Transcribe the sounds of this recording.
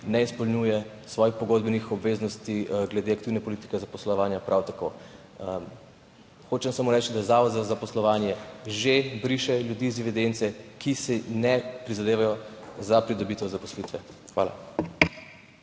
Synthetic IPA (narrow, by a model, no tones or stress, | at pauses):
nɛispɔlnujɛ | sʋɔjixpɔɡod̪̚bənixɔbʋeznɔst̪iɡlɛd̪eakt̪iːwnɛpɔlit̪i̥kɛzapɔslɔʋaːnjapɾʔawt̪ako̰ | m | xot͡ʃɛmsamoːɾɛt͡ʃd̪aɛzaːʋɔd̪zazapɔslɔʋanjɛʒebɾiʃɛljud̪iːzd̪iʋid̪ent̪sɛkisɛnɛpɾizad̪eːʋajɔzapɾid̪ɔbit̪ɛzapɔslit̪ʋɛ | xʋa̰ːla̰